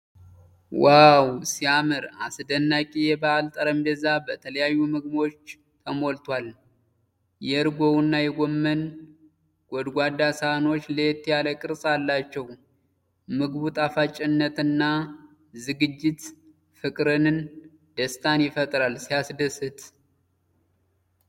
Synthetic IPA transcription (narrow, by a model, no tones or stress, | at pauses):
wawsiamɨɾa̰sd̪ənːakʼijɛbaʔalt̪ʼəɾəmd̪əzabət̪ʰələjajːumɨɡmo̞t͡ʃː | t̪ʰəmo̞lt̪ʰwal | jɛɨɾɡo̞wɨnːajɛɡʷomːən | ɡ̥ʷɔd̪ɡʷad̪asano̞t͡ʃːləjɛt̪ʰːijaləkʼɨɾsʼalːat͡ʃːɛw | mɨɡbut̪ʼafat͡ʃʼːɪnːət̪ɨnːa | zɨɡɨd͡ʒːɪt̪ | fɨkʼɾɨnɨn | d̪̥əst̪ʰanjɪfət̪ʼɾalsijasd̪əsɨt̪ʰ